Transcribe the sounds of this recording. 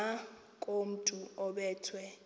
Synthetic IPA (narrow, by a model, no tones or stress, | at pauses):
a | kʼom̩tʼuɔɓɛːtʰwɛ